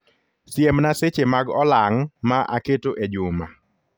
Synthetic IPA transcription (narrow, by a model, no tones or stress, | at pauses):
sjemnaset͡ʃemaɡɔlaŋmaʔaketoʔed͡ʒʊma